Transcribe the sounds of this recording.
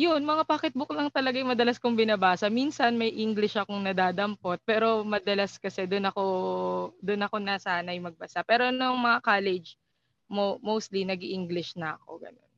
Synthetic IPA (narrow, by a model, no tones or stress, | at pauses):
jʊnmɐŋapaːkɪt̪̚bʊk̚lɐŋt̪ɐlɐɡajmɐd̪ɐlɐskʊŋbɪnabaːsɐminsɐnmɐjʔiŋɡlɪʃʔɐkoŋnɐd̪aːd̪ɐmpo̞t̪̚pɛːɾo̞mɐd̪ɐlaskɐsɛd̪ʊnɐko̞ | d̪ʊnɐko̞nɐsaːnɐjʊŋmɐɡ̚bɐsapɛːɾo̞nʊŋmɐŋakaːlɛd͡ʒ | momowst̪linɐɡiʔiŋɡlɪʃnɐʔɐko̞̰ɡɐ̰no̞̰n